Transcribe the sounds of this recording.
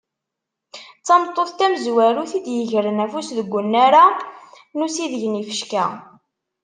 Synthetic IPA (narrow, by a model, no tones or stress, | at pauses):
t͡sːɑmt̪ˤːoθt̪æməzwæɾuθid̪jəʝəɾənæfusðəɡʷːʊnːaɾa | nusiðəʝnifə̥ʃkæ